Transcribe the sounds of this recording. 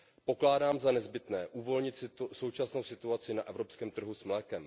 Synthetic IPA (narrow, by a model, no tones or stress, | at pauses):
po̞klaːdaːmzanɛzbɪt̪nɛːʔuːvo̞lɲɪt̪sso̞wt͡ʃasno̞wsɪt̪uat͡sɪnaʔɛvɾopskɛːmt̪r̩ɦusmlɛːkɛm